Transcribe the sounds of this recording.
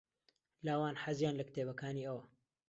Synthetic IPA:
laːwaːnħazjaːnlɐkt̪ʰeːbɐkaːniːəwɐ

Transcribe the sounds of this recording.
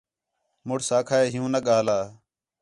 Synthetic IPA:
mʊɽsaːkʰaːeːɦɪjũːnəɠaːlaː

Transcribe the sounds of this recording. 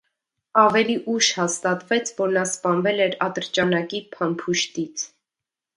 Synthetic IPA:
ɑvɛliʔuʃhɑst̪ɑt̪vɛt͡sʰvɔɾnɑspɑnvɛlɛɾɑt̪əɾt͡ʃɑnɑkipʰɑnpʰuʃt̪it͡sʰ

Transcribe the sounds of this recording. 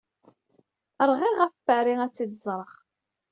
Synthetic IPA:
əɾˤʁiʁæffəʕɾiæt͡sːid̪zˤɾˤəʁ

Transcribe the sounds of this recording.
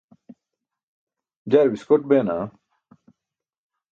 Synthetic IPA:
d͡ʑɐɾwiskoʈ̚beːna

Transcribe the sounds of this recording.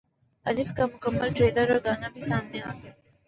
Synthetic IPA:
ɐlɪfkamʊkəmːəlʈɾeːləɾɔːɾɡaːnabʱisaːmneaːɦo

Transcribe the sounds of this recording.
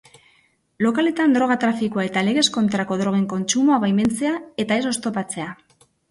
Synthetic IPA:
lo̞kale̞t̪and̪ɾo̞ɣ̞at̪ɾafikoae̞t̪ale̞ɣ̞e̞sko̞nt̪ɾako̞ðɾo̞ɣ̞e̞ŋko̞nt͡ʃumoaβajme̞nt͡se̞ae̞t̪ae̞so̞st̪o̞pat͡se̞a

